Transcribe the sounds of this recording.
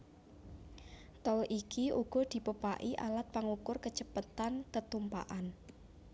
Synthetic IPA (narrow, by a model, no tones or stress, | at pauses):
t̪ɔlikiʔuɡ̥ɔ̤d̪̥i̤pəpa̰ʔiʔa̰lat̪̚paŋukʊrkə̥ʒ̥əpət̪ankət̪umpa̰ʔan